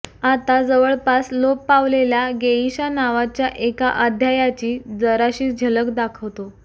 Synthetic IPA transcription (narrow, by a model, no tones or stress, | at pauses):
at̪ad͡zəʋəɭpaslopːaʋlelaɡeiɕanaʋat͡ɕjaʔekaʔəd̪ʱjajat͡ɕiːd͡zəɾaɕiːd͡ʑʱələkd̪akʰəʋt̪o